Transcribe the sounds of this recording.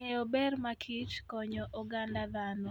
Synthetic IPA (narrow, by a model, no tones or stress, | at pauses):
ɛɔbɛrmakʰit͡ʃkɔɲɔʔɔɡandad̪anɔ